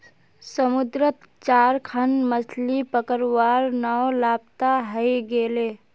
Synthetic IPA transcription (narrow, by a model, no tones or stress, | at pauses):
səmud̪ɾət̪ | t͡ʃaːɾkʰənməsʰlipəkəɾwaɾnaolaːp̚t̪aɦəjɡele